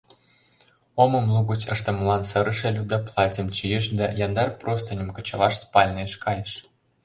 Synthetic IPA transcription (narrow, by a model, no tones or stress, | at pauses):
omɤ̆mlˠuɣə̆t͡ɕə̰̆ʃt̪ə̆mɤ̆lɑnsɤ̆ɾə̆ʃĕlʲud̪ɑplˠɑtʲemt͡ɕijə̆ʃd̪ɑjɑnd̪ɑrprost̪ə̆nʲə̆mkɤ̆t͡ɕɤ̆lɑʃspɑlʲnɤʃkɑjəʃ